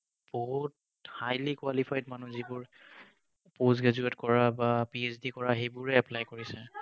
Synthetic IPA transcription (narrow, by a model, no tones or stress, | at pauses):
b̥oɦut̚ | hajlikwalipʰajdmanuzibʊɹ | pozɡazuɛtkɔɹabapiesdikɔɹaxejbʊɹɛɛplajkoɹisɛ